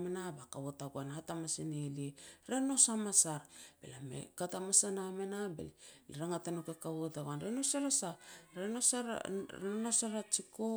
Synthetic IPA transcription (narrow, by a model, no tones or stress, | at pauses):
menabakaβotaɡoanatamasinelieɾe̞no̞samasaɾb̥ḛlamḛkatamasanamenabḛlliɾaŋatanokekaβotaɡanɾenosalosaɾenosaɾ̰ɾeonosaɾat͡ʃiko